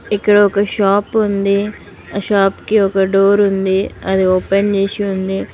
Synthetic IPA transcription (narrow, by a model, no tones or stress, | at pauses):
ikːɐɽɐɔkɐʃaːpund̪i | ɐʃaːpkeɔkɐɖoːɾund̪iɐd̪ioːpend͡ʒeʃiund̪i